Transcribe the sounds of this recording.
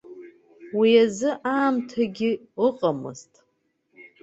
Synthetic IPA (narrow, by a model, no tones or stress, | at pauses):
wiazɨʔaːmtʰaɡʲɪ | ɨqʼamɨ̰ztʼ